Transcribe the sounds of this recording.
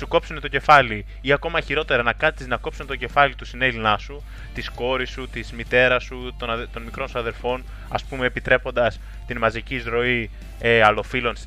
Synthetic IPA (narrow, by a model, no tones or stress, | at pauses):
suko̞psunet̪oce̞fɐli | iɐko̞mɐçiɾo̞t̪e̞ɾɐnɐkɐt̪iznɐko̞psunet̪o̞ce̞fɐlit̪usinelinɐsu | t̪isko̞ɾisut̪izmit̪e̞ɾɐsut̪onɐt̪o̞nmikɾo̞nsuɐðe̞ɾfo̞n | ɐ̰spume̞ːpit̪ɾe̞po̞nd̪ɐs | t̪inmɐziciːzɾo̞i | eɐlo̞filo̞ns